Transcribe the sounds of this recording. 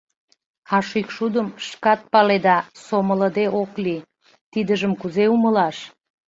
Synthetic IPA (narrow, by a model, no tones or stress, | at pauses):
ɑʃykʃud̪əmʃkɑt̪̚pɑled̪ɑsomələd̪eʔokli | t̪id̪əʒəmkuzeuməlɑʃ